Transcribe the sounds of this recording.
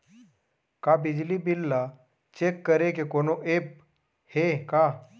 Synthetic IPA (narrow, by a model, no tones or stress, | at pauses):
kabɪd͡ʒlibɪlːa | t͡ʃekːəɾekekoːnoʔeːp̚ | hekaː